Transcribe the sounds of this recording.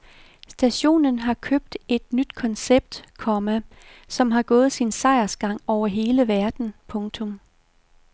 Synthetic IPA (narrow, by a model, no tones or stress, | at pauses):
sd̥æɕo̝̰ːnənɦɑ̈kʰøb̥̚d̥e̝d̥nyd̥kʰɒ̽nseb̥̚d̥kʰɒ̽mæ | sɒ̽mɦɑ̈ɡ̥ɔ̽ːð̞̩ˠsinsɑ̈ɪɐsɡ̥ɑ̈ŋ̰ɒʊ̰ɐɦe̝ːləʋæɐd̥n̩pʰɔ̽ŋt͡sʰɔ̽m